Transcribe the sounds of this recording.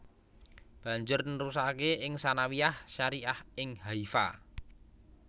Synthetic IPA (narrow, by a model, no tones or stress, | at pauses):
b̥a̤ɲd͡ʒʊrnrus̬akeʔɪŋsanawiahʃaɾiahɪŋhaifa̰